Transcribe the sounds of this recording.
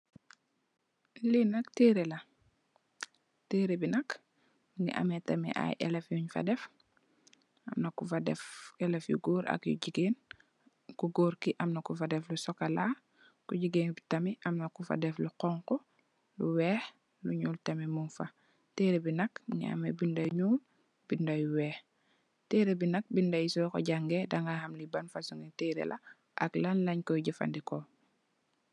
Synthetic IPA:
linɐkteːɾelɐ | teːɾebinɐk | miŋḭʔɐ̰metɐmḭʔa̰jʔɛ̰lɛfjuɲfɐ̰dɛf | ɐmnɐkufɐdɛ̰fɛlɛfjṵɡoːɾʔɐ̰kjṵɟiɡeːn | kuɡoːɾkiʔɐmnɐkufɐdɛflusɔkɐlaː | kuɟiɡeːnbitɐmiʔamnɐkufa̰dɛfluqɔŋkɔ | luwɛːx | luɲuːltɐmimunfa | teɾebinɐkɲa̰ːmebindajɲuːl | b̥indajuwɛːx | teɾebinɐk̚bindajusɔkɔ̰ɟaŋɡedaŋɡahamlibanfasuŋiteːɾḛlʔa | ʔa̰klanlɐɲkɔjɟifa̰ndikɔ

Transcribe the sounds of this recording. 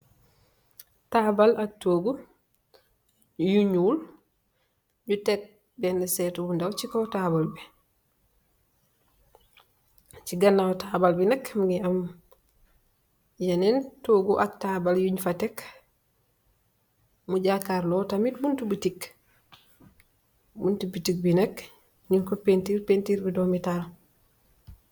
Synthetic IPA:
tabalak̚tːoːɡu | juɲul | ɲutɛk̚ | bɛndɛsɛtubundawt͡ʃikɔtabalbɛ | t͡ʃiɡanːawtabalbinakmuɡiam | janentoɡuʔak̚taːbaljuɲfatek | muɟakaːɾlɔtamit̚buntubitik | buntubitik̚binek | ɲiŋkopentiɾpentiɾbidomital

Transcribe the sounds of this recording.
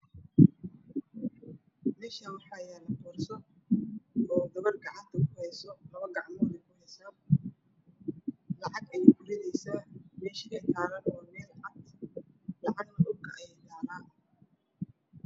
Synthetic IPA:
mɛːʃaːwɑħɑjaːlɐqɔːrsɔ | ɔːd̪ɐβɐrɡɑʕɑnt̪ʰɐkʰʊhɛjsɔlɐβɐɡɑʕmɔːlɛkʰʊhɛjsa | lɑʕɑɡɐjɛɡʊɾɪnɛjsaːmɛːʃɪkʰɐt̪ʰaːɾɐnɔːmɛːlʕɑd̪ | lɑʕɑɡnɐʔʊɡjɛd̪aːɾaː

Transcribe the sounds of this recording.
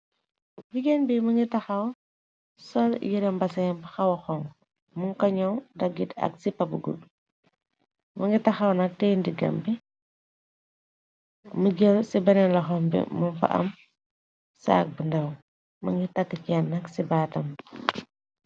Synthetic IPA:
biɡenbimɐŋɡitɐxɐw | sɔljiɾɛmbɐsɐɛmbɐxɐwɐxɔŋ | muŋkɐɲɔwdɐɡitɐ̰k̚sipɐbuɡṵd | mɐŋɡitɐxɐwnɐk̚tɛndiɡɐ̰mbi | məɡelsibɐnɛnlɐxɔmbḭmunfɐ̰ʔɐ̰m | sa̰ːk̚bəndɐw | mɐŋɡitɐkːikɛnːɐksibaːtɐm

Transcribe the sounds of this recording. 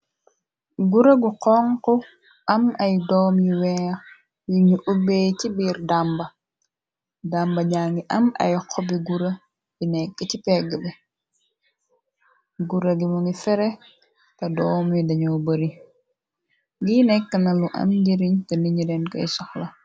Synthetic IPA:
ɡuɾɐɡuqɔŋkɔ | ʔɐmɐjdɔmjuwɛː | jiɲuʔubejtibiɾdambɐ | dambɐɲaŋɡiʔɐma̰jkʰɔbiɡuɾɐ | binɛkːətipɛɡəbɛ | ɡuɾɐɡimuŋɡifɛɾɛ | tɐdɔːmjudɐɲubəɾi | ɡinɛkːɐnɐluʔɐ̰mɟiɾiɲtɐniɲidɛnkɐ̰jsɔxlɐ

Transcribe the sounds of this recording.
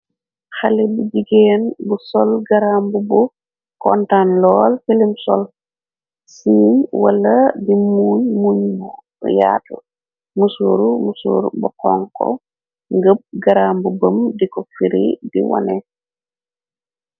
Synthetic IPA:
xalɛbuɟiɡeːnbusɔlɡaɾambubu | kɔntanlɔːlfilimsɔ̰l | siːmwalːadimuːɲmuɲbu | jaːtu | musuɾumusṵːɾbɔkɔŋkɔ̰ | ŋɡəb̚ɡaɾambubəmdikɔfiɾḭdḭwɔ̰nɛ

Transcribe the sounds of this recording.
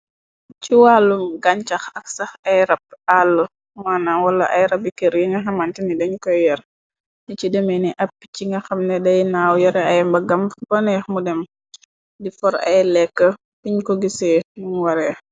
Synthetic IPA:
ciwaːlːumɡaɲt͡ʃɐxɐksɐxɐjɾɐp̚alːu | maːnawɐlːɐʔɐjɾɐbikeɾjiŋɡɐxɐmantinidɐɲkɔjjɐɾ | dicidɛmɛniʔɐpːi̥ciŋɡɐxɐmnɛdɐjnaːwjɔɾɛɐjmbɐɡɐmbɐnɛxmudɛm | difɔɾɐ̰jlɛkːə | piɲkɔɡisɛnuŋwɐɾɛː

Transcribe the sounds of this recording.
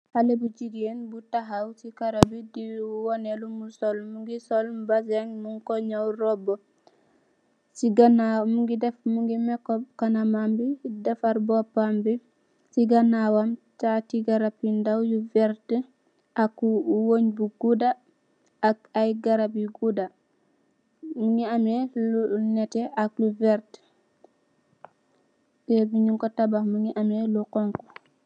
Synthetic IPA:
halebud͡ʒiɡienbutaɦawsikaɾabidiwɔnelumusɔlmuŋɡisɔlmbasaŋmuŋkɔɲawɾɔbɔ | siɡanamuŋɡidɛfmuŋɡimɛkːɔkanamambidɛfaɾbɔpambi | siɡanawamtatiɡaɾapːindawjuvɛɾtə | ʔakuwoɲbuɡudaː | kajɡaɾapiɡuda | muŋiamɛlunɛtɛʔak̚luvɛɾt | tɛbiɲuŋkɔtabaxmuŋɡiʔamɛluqɔŋkɔ̥

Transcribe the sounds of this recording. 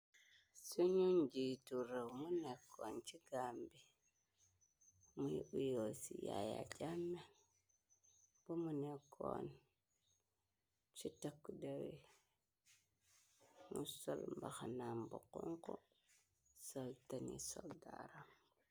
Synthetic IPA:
suɲund͡ʒituɾewmunekʰːont͡ʃiɡambi | mujiʔujosija̰ja̰d͡ʒamːe | b̥omunekʰːo̰n | t͡ʃitakːudawi | musolmbaxanambukuŋko | soltanḭsoldaɾam

